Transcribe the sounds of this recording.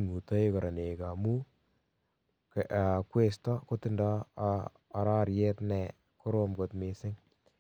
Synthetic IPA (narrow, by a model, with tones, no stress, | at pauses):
ŋu˨tɔ˦e˦kɔ˨ɾʔa˨ne˨ka˨mu˦ | ka˨kwe˦stɔ˦ko˦tɪ˦ndɔː˦˨ | ɾa˦ɾjɛ˦tnɛ˨ | kʊ˦ɾomko˨tmɪ˨sɪ˦ŋ